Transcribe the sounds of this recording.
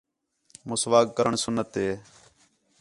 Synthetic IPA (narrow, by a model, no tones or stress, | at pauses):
mʊsʋaːk̚kəɾəɳsʊnːət̪ɦeː